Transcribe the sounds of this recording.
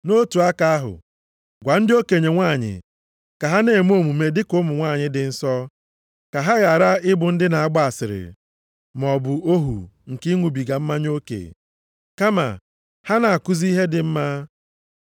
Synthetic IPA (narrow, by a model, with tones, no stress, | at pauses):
no˦tu˨a˦ka˦a˦ɦʊ̰˨ | ɡʷa˨n̩˦dɪ˦o˦ke˨ɲe˨ŋʷa˦˨ɲɪ̰˨ | ka˨ɦa˦ne˨m˦o˦˨mu˨me˨dɪ˦kʊ˦mʊ˨ŋʷa˦˨ɲɪ˦dɪ˨n̩˦sɔ˦ | ka˨ɦa˦ɣa˨ɾa˦ɪ˦bʊ˨n̩˦dɪ˦na˨a˦ɡ͡ba˦a˨sɪ˨ɾɪ̰˨ | m˨ɔ˨bʊ˨o˦ɦṵ˨ŋ̩˨ki˦ŋʷu˨bi˨ɡa˨m̩˦ma˦ɲ˦o˦kḛ˨ | ka˦ma̰˨ | ha˦na˨a˨ku˦zi˦ɦe˦dɪ˨m̩˦ma˦